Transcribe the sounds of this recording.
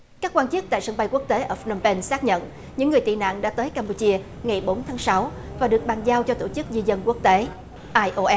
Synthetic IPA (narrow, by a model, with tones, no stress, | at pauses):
kaː˦˥kːwaː˧nt͡ɕɨ˦˥ək̚t̪a̰ː˧˨jsə˧ŋɓa˧jku˦˥ək̚t̪e˨˦ʔəː˧˩fnə˧mpe˧nsaː˦˥k̚ɲə̰˧˨n | ɲɨ̰˧˥ŋːɨ˨˩əjt̪ḭ˧˨na̰ː˧˨ŋɗa̰ː˧˥t̪əː˨˦jkaː˧mpu˧t͡ɕi˧ə | ŋa˨˩jɓo˨˦nt̪ʰaː˨˦ŋsa˨˦w | vaː˨˩ɗɨ˨˩ək̚ɓaː˨˩ŋzaː˧wt͡ɕɔ˧t̪o˧˩t͡ɕɨ˦˥k̚zi˧zə˧nku˦˥ək̚t̪e˨˦ | ʔaː˧jʔo˧ʔɛ˦˥